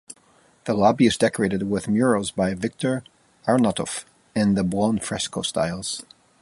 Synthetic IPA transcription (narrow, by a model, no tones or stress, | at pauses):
ðəlɔbiɨzdɛkə˞eɪɾɨd̚wɪðmjɔɹozbaɪvɪk̚tʰə˞ | aɹnəɾɔ̰f | ɪ̃nðəbɔ̃nfɹɛskosta̰ɪlˠz̥